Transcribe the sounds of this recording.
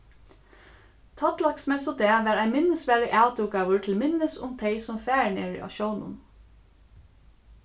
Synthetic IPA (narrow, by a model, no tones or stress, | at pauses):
t̪ʰɑt̪lɑksmɛsod̪eːʋæːɾæɪmɪnəsʋæːɭɪʔɑʉt̪ʊp̚ɡɑːʋəɹt̪ʰɪlmɪnəsʊ̰mt̪ʰeɪsʊmfæːɳeːɹḭʔɑ̰ʃoːnə̰n